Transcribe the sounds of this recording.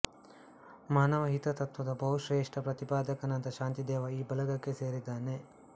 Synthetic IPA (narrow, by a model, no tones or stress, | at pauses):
maːnɐʋɐɦit̪ɐt̪ɐt̪ʋɐd̪ɐbʱɐɦuʃɾeːʂʈɐpɾɐt̪ipaːd̪ɐkɐnɐnt̪ɐʃaːnt̪id̪ɛːʋɐiːbɐlɐɡɐkːe̞seːɾid̪aːne̞